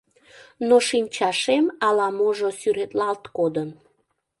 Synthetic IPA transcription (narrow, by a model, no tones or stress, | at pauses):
noʃimt͡ɕɑʃemɑlɑmoʒosyɾet̪lɑlt̪kod̪ən